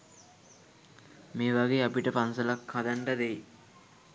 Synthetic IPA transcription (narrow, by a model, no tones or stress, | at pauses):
meːʋaɡeːapiʈəpansəlakʰːad̪aɳɖəd̪ej